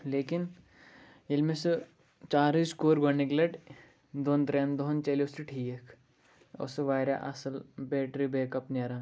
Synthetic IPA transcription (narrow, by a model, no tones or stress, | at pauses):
leːkin | ilmesɨ | t͡ʃaːɾiskoːɾɡɐnːiklɐʈ | d̪oːnt̪ɾeːnd̪oɦnt͡ʃɐliosiʈʰiːjekʰ | o̰sɨʋaːɾja̰ʔɐ̰sɐlbeːʈɾibeːkɐpniɐɾãː